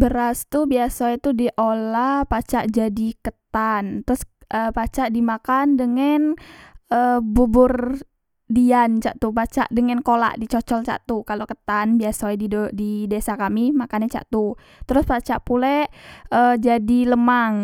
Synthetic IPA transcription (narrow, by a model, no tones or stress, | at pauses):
bəɾast̪ubiasaɛt̪udiʔolahpat͡ʃaʔd͡ʒadikət̪ant̪əɾʊsʔəpat͡ʃaʔdimakandəŋanəbubʊr | diant͡ʃa̰ʔt̪upat͡ʃa̰ʔdəŋankola̰ʔdit͡ʃɔt͡ʃɔlt͡ʃa̰ʔt̪ukalokət̪anbiasaɛdididesakamimakanat͡ʃa̰ʔt̪u | t̪əɾʊspat͡ʃaʔpulɛəd͡ʒadiləmaŋ